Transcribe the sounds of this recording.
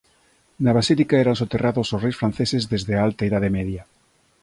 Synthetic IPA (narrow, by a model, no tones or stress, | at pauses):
naβasilikaɛɾansot̪eraðososrejsfɾan̟θesezðezðeaalt̪aeðaðemɛðja